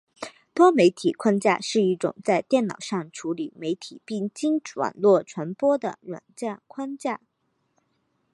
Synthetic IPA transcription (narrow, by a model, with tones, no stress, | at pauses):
t̪wɔ˥me˧˥ɪt̪ʰi˨˩kʰwa˥nt͡ɕja̰˥˧ʂɻ̩˥˧i˥˩ʈ͡ʂʊ̰˨˩ŋt͡sa˥˧ɪt̪jɛ˥˩nnɑ̰˨˩ʊʂɑ˥˩ŋʈ͡ʂʰu˧˥li˨˩me˧˥ɪt̪ʰi˨˩pi˥˩ŋt͡ɕi˥ŋʈ͡ʂwa̰˨˩nlwɔ˥˩ʈ͡ʂʰwa˧˥npwɔ˥d̪ə̰˨ɻwa̰˨˩nt͡ɕja˥˩kʰwa˥nt͡ɕja˥˩